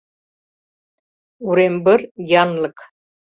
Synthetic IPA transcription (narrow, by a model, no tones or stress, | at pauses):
uɾembɘɾjɑnlˠɤk